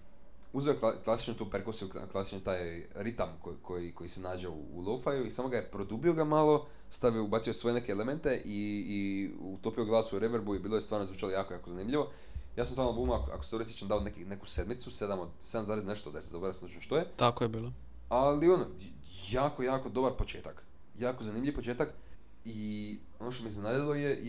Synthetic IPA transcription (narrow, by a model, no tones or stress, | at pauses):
uzeoklˠaklasi̥t͡ʃnot̪oːpeɾkosiṵklˠasi̥t͡ʃnit̪aːjɾit̪amkokʰojiko̞jisenaːd͡ʑeṵːlˠofajuisamoɡajepɾo̞d̪ubio̞ɡamalˠo̞ | st̪aʋioubat̪sijosʋo̞je̞ne̞keːlement̪e̞ʔiː | ut̪opioɡlˠaːsuuɾeʋeɾbuibiːlˠojest̪aːɾnozvuːt͡ʃalojaːkojaːkozanimʎiʋo̞ | jaːsamt̪alnlabuːmakoa̰kose̥t̪oɾisit͡ʃend̪aonekineku̥se̞d̪mit̪suse̞d̪amod̪se̞d̪amzaːɾezne̞ʃt̪od̪asezaboɾasazut͡ʃnoʃt̪ojet̪akojebiːlˠo | alio̞no | jaːkojaːko̞d̪o̞baɾpot͡ʃeːt̪ak | jaːkozanimʎʲiʋpo̞t͡ʃe̞ːt̪ak | i | o̞no̞ʃt̪omiiznenaːd̪ilˠo̞je